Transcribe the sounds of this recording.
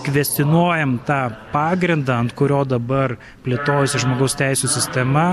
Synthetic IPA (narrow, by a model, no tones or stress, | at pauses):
kʋʲɛsʲt̪ʲɪnuɔjɛmt̪ɑːpɑːɡɾʲɪnd̪ɑːɐnt̪kʊɾʲoːd̪ɐbɐr | pʲlʲɪt̪oːjʊsʲɪʒmoːɡɐʊst̪ʲɛɪsʲuːsʲɪsʲt̪ʲɛmɐ